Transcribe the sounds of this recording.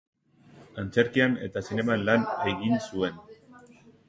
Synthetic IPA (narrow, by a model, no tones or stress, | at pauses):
ant͡se̞ɾkiane̞̰t̪asine̞manlane̞ɣinsue̞n